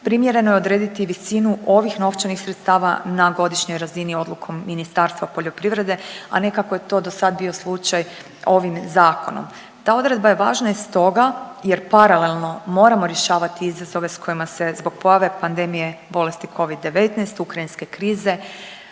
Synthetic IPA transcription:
pɾimje̞ɾe̞no̞jeo̞d̪ɾeːd̪it̪iʋisinuʔo̞ʋixno̞ft͡ʃanixsɾet̪st̪aːʋa̰naɡo̞d̪iʃɲo̞jɾazinio̞d̪lukʰo̞mːinist̪aːɾst̪ʋapoʎo̞pɾiʋɾe̞d̪e̞a̰ne̞kakojet̪o̞d̪o̞sad̪̚bio̞slˠut͡ʃaj | o̞ʋimzaːko̞no̰m | t̪aːo̞d̪ɾe̞d̪̚baje̞ʋa̰ːʒnaist̪o̞ɡaje̞ɾpaɾale̞lˠno̞mo̞ːɾamo̞ɾje̞ʃaːʋat̪iizazo̞ʋe̞sko̞jimase̞zbo̞ɡ̥̚po̞jaʋe̞pand̪e̞mije̞bo̞le̞st̪ikʰo̞ʋid̪ːe̞ʋe̞t̪nɛjst̪ukɾainske̞kɾiːze̞

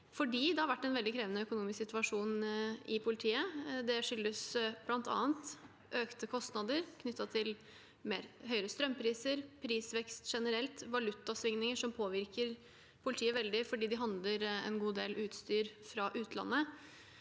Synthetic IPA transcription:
fɔɖiːd̪ɛhɑɾʋæʈːɛnʋɛld̪ɪkʰɾeːʋənəœkʊnuːmɪsksɪt̪ʋɑʂuːnɪpʰʊlɪt̪ʰiːəd̪ɛʂʏlːəsb̥lɑnt̪ɑ̰ːənt̪ | ʔøːkt̪əkʰɔst̪nɑd̪əɾkʰnʏt̪ːɑt̪ʰɪl | mḛːɾɦœʏɾəst̪ɾœmːpʰɾiːsəɾpʰɾiːsʋɛkst̪ʂɛnəɾɛlt̪ʋɑlʉt̪ːɑsʋɪŋnɪŋəʂɔmpʰoːʋɪɾkəɾ | pʰʊlɪt̪ʰiːəʋɛld̪ɪfɔɖiːd̪ɪɦɑnd̪ləɾɛ̰nɡuːd̪eːlʔʉːt̪st̪yːɾfɾɑʔʉːt̪əlɑ̰nːə

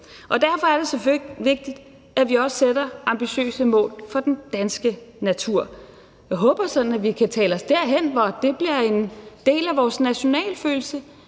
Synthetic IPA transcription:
ʔɒ̽d̥æɐ̰fɒ̽æɐd̥e̝seføʋe̝ɡ̥̚d̥id̥ | æʋiɒ̽ssed̥ɐɑ̈mb̥iɕø̰ːsəmɔ̰̽ːlfɒ̽d̥end̥ænsɡ̥ənæt͡sʰuɐ̰ | jɑɪɦɔ̽ːb̥ɐsɒ̽d̥n̩æʋikʰæt͡sʰɛ̰ːlɒ̽sd̥æɐ̰ɦen̰ʋɒd̥e̝b̥liɐe̝nd̥e̝̰ːlæʋɒːsnæɕo̝nɛ̰ːlføːl̩sə

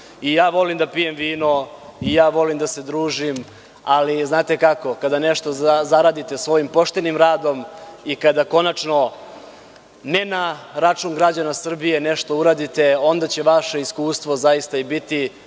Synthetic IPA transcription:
ijaːʋo̞limd̪apije̞mʋiːno̞ijaːʋo̞limd̪ase̞d̪ɾuːʒim | aliznaːt̪e̞kako̞kad̪ane̞ʃt̪o̞zaɾaːd̪it̪e̞sʋo̞jimpo̞ʃt̪e̞nimɾaːd̪o̞mikad̪ako̞nat͡ʃno̞ | ne̞naɾat͡ʂuːnɡɾad͡ʑanasr̩bije̞ne̞ʃt̪o̞uɾaːd̪it̪e̞o̞nd̪at͡ɕe̞ʋaʃe̞iskuːst̪ʋo̞zajist̪aibit̪i

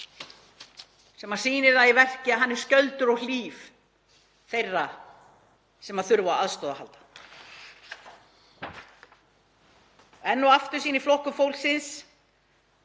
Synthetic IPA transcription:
sɛmḁsiːnɪɾðaðivɛr̥cɪaðɦanːɛɾ̥scœlt̪ʏɾɔɣliːf | θejrːa | sɛmaðθʏɾvaaðst̪ɔːðaha̰lt̪ḁ | ɛnːɔaft̪ʏɾ̥siːniflohkʏfowlsɪns

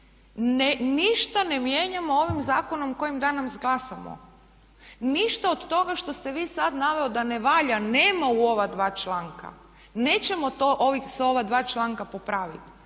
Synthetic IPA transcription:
neniʃt̪anemjeːɲamoo̞ʋimzaːko̞no̞mko̞jimd̪aːnomzɡlˠasamo̰ | niʃt̪aod̪t̪o̞ɡaʃt̪o̞st̪e̞ʋiːsad̪naʋe̞od̪aneʋaːʎaneːmauo̞ʋad̪ʋaːt͡ʃlˠaːŋka̰ | ne̞ːt͡ɕemo̞t̪oʔoʋiso̞ʋad̪ʋaːt͡ʃlˠaːŋkapopɾaːʋit̪

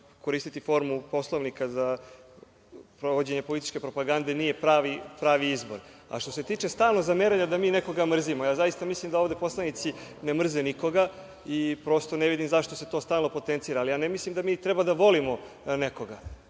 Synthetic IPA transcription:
ko̞ɾist̪it̪ifo̞ɾmupo̞slˠoʋnikaza | pɾoʋod͡ʑe̞ɲepo̞lit̪i̥t͡ʃkʲe̞pɾo̞paɡand̪e̞nije̞pɾaʋipɾaːʋiizbo̞ɾ | a̰ʃt̪o̞se̞t̪iːt͡ʂe̞st̪aːlˠnozameɾaɲad̪amiːneko̞ɡamr̩zimojaːzajist̪amislimd̪aoʋd̪e̞po̞slˠanit̪sinemr̩zeniko̞ɡa | ipɾo̞st̪o̞neʋid̪imzaʃt̪ose̞t̪o̞ːst̪aːlˠno̞po̞t̪ent̪siːɾaːlijaːnemislimd̪amiːt̪ɾɛbad̪aʋo̞limo̞ | neko̞ɡa

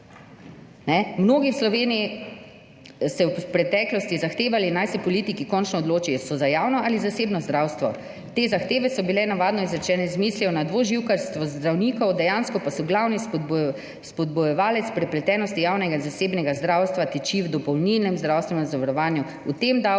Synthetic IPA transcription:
nɛmnoːɡiwslɔʋeːnii | sɛwpɾɛt̪ɛːklɔst̪izaxt̪eːʋalinajsɛpɔlit̪ikikɔnt͡ʃnɔɔd̪loːt͡ʃijɔsɔzajaːwnɔʔalizaseːbnɔzd̪ɾaːwst̪ʋɔ | t̪eːzaxt̪eːʋɛsɔbilɛnaʋaːd̪nɔizɾɛt͡ʃɛːnɛzmiːsliɔnad̪ʋoʒiwkaɾst̪ʋɔzd̪ɾawniːkɔwd̪ɛjaːnskɔpasɔɡlawnis | spɔd̪̚bujɛʋaːlɛt̪spɾɛplɛt̪ɛːnɔst̪ijawnɛɡazaseːbnɛɡazd̪ɾawst̪ʋat̪ɛt͡ʃiwd̪ɔpɔwnilnɛmzd̪ɾawst̪ʋɛnzaʋaɾɔʋaːnju | ut̪emd̪a

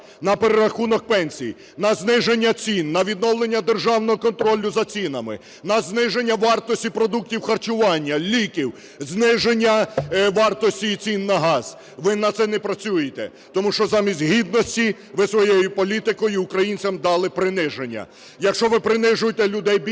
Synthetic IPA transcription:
nɐpeɾeɾɐxunɔk̚pɛnʲsʲij | nɐznɪʒenʲːɐt͡sʲinːɐʋʲid̪̚nɔwlˠenʲːɐd̪erʒɑwnɔɦɔkɔnt̪ɾɔlʲːʊzɐt͡sʲinɐmɪ̰ | nɐznɪʒe̞nʲːɐʋɑrt̪ɔsʲtʲipɾɔd̪uk̚tʲiwxɐrt͡ʃʊʋɑnʲːɐlʲikʲiw | znɪʒenʲːɐʋɑrt̪ɔsʲtʲit͡sʲinːɐɦɑz̥ | ʋɪnɐt̪sɛnɛpɾɐt͡sʲujet̪ɛ̰ | t̪ɔmuʃt͡ʃɔzɑmʲisʲtʲɦʲid̪̚nɔsʲtʲi | ʋɪsʋɔjɛjʊpɔlʲit̪ɪkɔjʊiʊkɾɐjinʲt͡sʲɐmd̪ɑlˠɪpɾɪnɪʒenʲːɐ̰ | jɐkʃt͡ʃɔʋɪpɾɪnɪʒʊjet̪ɛlʲʊd̪ɛjbʲ

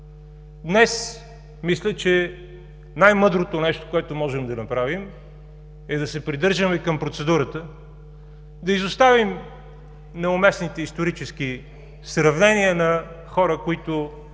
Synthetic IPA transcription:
d̪nɛs | mislʲət͡ʃɛ | najmɤd̪ɾot̪ʊnɛʃt̪o̥koɛt̪ʊmɔʒɛmd̪ɐnɐpɾavim | ɛd̪ɐsɛpɾid̪ɤɾʒəmɛkɐmpɾot̪sɛd̪uɾət̪ə | d̪ɐizost̪avim | nɛʊmɛsnit̪ɛist̪oɾit͡ʃɛsk̟i | sɾɐvnɛniənɐ | xɔɾəkʊit̪ʊ

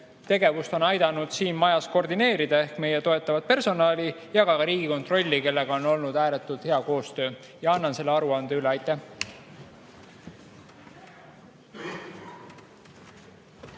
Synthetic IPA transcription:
t̪e̞ɡe̞vust̪o̞nɑjd̪̥ɑnud̪̥siːnmɑjɑsko̞rd̪ine̞ːɾid̪̥ɑe̞hkme̞je̞t̪o̞e̞t̪ːˑɑvɑt̪̚pe̞rso̞nɑːlʲijɑɡ̥ɑɑɾiːɡ̥iko̞nt̪ro̞lʲːike̞lːe̞ɡ̥ɑo̞no̞lnud̪̥æːɾet̪ːˑult̪he̞ɑko̞ːst̪ø̞ː | jɑɑnːɑnse̞lːeɑɾuɑnd̪̥eyleɑjt̪ːˑæh

